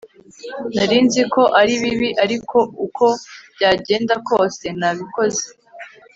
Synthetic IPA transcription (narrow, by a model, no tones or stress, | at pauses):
naɾiːnziko̞ʔaɾiβiβiʔaɾikʰo̞ukʰo̞b̥ɟaːɟe̞ːndako̞ːse̞naβiko̞ze̥